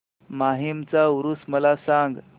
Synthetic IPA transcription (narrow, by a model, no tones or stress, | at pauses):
maɦimt͡sauɾusməlasãŋɡ